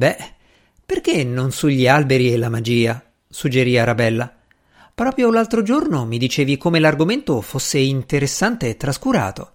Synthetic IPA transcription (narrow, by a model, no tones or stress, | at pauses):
bɛ | perk̟enːonsuʎːialbeɾielamad͡ʒiːa | sud͡ʒeɾiːaɾabɛlːa | pɾɔːpɾjolalt̪ɾod͡ʒornomid̪it͡ʃeːvikomelarɡoment̪ofosːeint̪eɾesːant̪eːt̪ːɾaskuɾa̰ːt̪o̰